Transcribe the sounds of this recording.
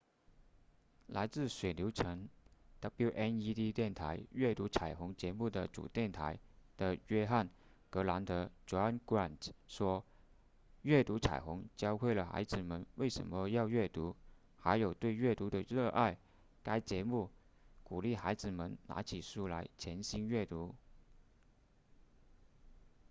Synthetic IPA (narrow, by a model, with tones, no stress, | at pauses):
la˧˥ɪt͡sɹ̩˥˩swe˨˩ɪljo˧˥ʊʈ͡ʂʰə˧˥ŋd̪̥a˧˥pu˥ʊʔɛ˥ni˥t̪i˥t̪jɛ˥˩nt̪ʰa˧˥ɪɥɛ˥˩t̪u˧˥t͡sʰa˨˩ɪxʊ˧˥ŋt͡ɕjɛ˧˥mu˥˩d̪ə˩t͡sṵ˨˩t̪jɛ˥˩nt̪ʰa̰˧˥ɪd̪̥ə˨ɥɛ˥xa˥˩n | kɤ˧˥la˧˥nt̪ə˧˥ʈ͡ʂwa˥nkwa˥˩nʂwɔ˥ | ɥɛ˥˩t̪u˧˥t͡sʰa̰˨˩ɪxʊ˧˥ŋt͡ɕjɑ˥ʊkʰwe˥˩ɪlə˨˩xa̰˧˥ɪd͡zɹ̩˨˩mə˧˥nwe˥˩ɪʂə̰˧˥nmə˧jɑ˥˧ʊɥɛ˥˩t̪u˧˥ | xa˧˥ɪjo˨˩ʊt̪we˥˧ɪɥɛ˥˩t̪u˧˥d̪ə˨ɻə˥˧ʔa˥˩ɪ | ka˥ɪt͡ɕjɛ˧˥mu˥˩ | ku˨˩li˥˩xa˧˥ɪd͡zɹ̩˨˩mə˧˥nna̰˧˥t͡ɕʰi˨˩ʂu˥˩la̰˧˥ɪt͡ɕʰjɛ˧˥nɕi˥nɥɛ˥˩t̪u˧˥